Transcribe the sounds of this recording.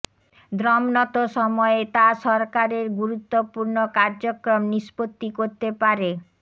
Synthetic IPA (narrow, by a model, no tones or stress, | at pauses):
d̪ɾɔmnɔt̪oʃɔmɔet̪aʃɔɾkaɾeɾɡuɾut̪ːopuɾnokaɾd͡ʑokɾomniʃpot̪ːikoɾt̪epaɾe